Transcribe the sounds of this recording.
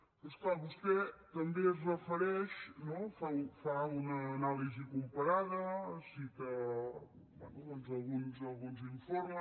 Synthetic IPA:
osklaβust̪et̪əmbezrəfəɾɛʃnɔfaufaunɐːnalizikumpəɾaðəsit̪ə | banoonzɐlˠɣunzɐlˠɣunziɱfoɾmə

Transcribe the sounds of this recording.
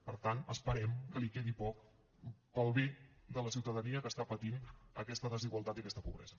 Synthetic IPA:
pəɾt̪anəspəɾɛmkəlikeðipɔk | pəlˠβed̪ələsiwt̪əðəniəkəst̪apət̪inəkɛst̪əðəziɣwəlˠt̪at̪iəkɛst̪ə̥puβɾɛ̰zə

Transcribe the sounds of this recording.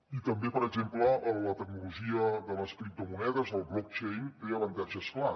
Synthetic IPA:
it̪əmbepəɾəzempləʔːlət̪ək̚nuluʒiəðələskɾip̚t̪umunɛðəzəlˠblɔk̚t͡ʃejnt̪eəβənt̪aʒəskla

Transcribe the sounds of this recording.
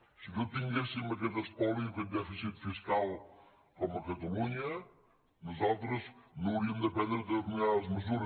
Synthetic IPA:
sɨkewt̪ĩɲɡesiumɐk̬ɐt̪ɐʃt̪ɔlˠikẽd̪ɛfisit̪fiʃkalˠ | komuɐkɐt̪ɐlˠuɲɐ | nɐzowt̪ɾɐznũɾimd̪ɐpɛd̪ɾɐd̪ɐuɲaɐzmɨzuɾ

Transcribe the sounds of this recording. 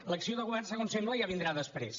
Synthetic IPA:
ləksioðəɣuβɛrnsəɣonsembləʒaβind̪ɾaðəspɾḛs

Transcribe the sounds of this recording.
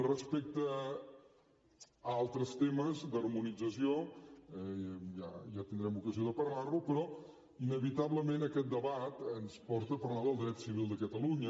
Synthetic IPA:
rəspɛk̚t̪ə | alˠt̪ɾəst̪eməzd̪ərmunid͡zəsioɛjaʒat̪ind̪ɾɛmukəzioðəpərlarlupɾɔ | inəβit̪aβləmenəkɛt̪̚d̪əβat̪ənspɔɾt̪əpəɾlaðəlˠd̪ɾɛt̪siβilˠd̪əkət̪əluɲə

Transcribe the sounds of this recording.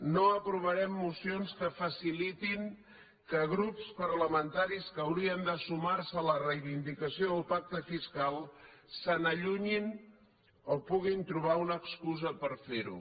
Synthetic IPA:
noəpɾuβəɾɛmːusionskəfəsilit̪iŋ | kəɣɾupspəɾləmənt̪aɾiskəwɾiənd̪əsumaɾsələrəjβind̪ikəsioðəlˠpak̚t̪əfiskalˠsənəʎuɲin | opuɣ̞int̪ɾuβ̞aunəkskuzəpəɾfeɾṵ

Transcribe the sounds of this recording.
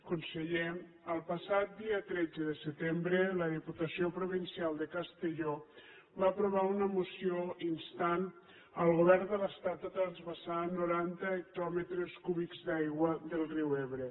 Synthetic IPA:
kunsəʎe | əlˠpəsat̪̚d̪iət̪ɾɛd͡zəðəsət̪embɾələðiput̪əsiopɾuβinsialˠd̪əkəst̪əʎɔ | βaːpɾuβ̞aunəmusioinst̪an | əlˠɣuβɛɾnd̪ələst̪at̪̚d̪ət̪ɾənzβəsanuɾant̪əːk̚t̪ɔmət̪ɾəskuβikzd̪ajɣwəðəlˠriweβɾə

